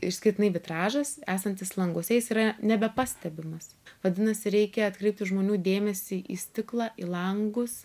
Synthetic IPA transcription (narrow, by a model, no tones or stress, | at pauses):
ɪʃsʲkʲɪrt̪ʲɪnɐɪʋʲɪt̪ɾɑːʒɐsæːsɐnʲt̪ʲɪslˠɐŋɡuɔsʲɛjɪsiːɾɐnʲɛbʲɛpɑːsʲt̪ʲɛbʲɪmɐs | ʋɐd̪ʲɪnɐsʲɪɾʲɛɪkʲɛɐt̪kɾʲɛɪp̚t̪ʲɪʒmoːnʲuːd̪ʲeːmʲɛsʲɪʔḭːsʲt̪ʲɪklˠɑːʔilˠɐŋɡʊs